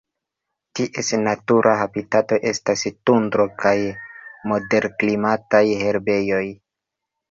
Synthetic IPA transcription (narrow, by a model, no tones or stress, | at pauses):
tiʔe̞snatuɾʔaɦabitato̞ʔe̞stastundɾo̞kajmo̞de̞ɾklimatajhe̞ɾbe̞jo̞j